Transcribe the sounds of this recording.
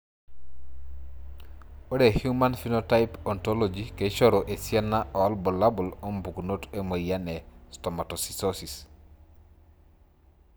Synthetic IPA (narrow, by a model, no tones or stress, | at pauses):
odehjumanfinotajpɔntɔlod͡ʒiket͡ʃɔɾoʔesjanaʔɔɔlbɔlabulombuknotemojanɛstɔmatɔsi̥sosis